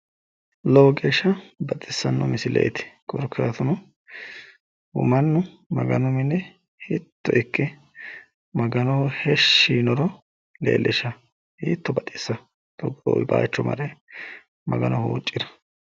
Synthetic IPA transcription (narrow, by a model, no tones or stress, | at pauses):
loːɡʼeʃɐbɐt̪ʼɪsːɐnːɔ̰mɪsɪlɛ̰j̰t̪ɪ̥kʼɔɾkʰːaːt̪ʊnɔ | ʊ̰mɐnːʊ | mɐ̰ɡɐnɔmɪnːɛ | hɪt̪ːɔʔɪkːɛ | mɐɡɐnɔhhɛʃːiːnɔɾɔ | lḛːlʔɛʃɐ | hḭːt̪ːɔbɐt̪ʼɪsːɐ | d̪ɔɡɾo̰ba̰ːt͡ʃːɔmɐ̰ɾɛ | mʔɐɡɐnɔhṵːt͡ʃʼːɪd̪ɐ̥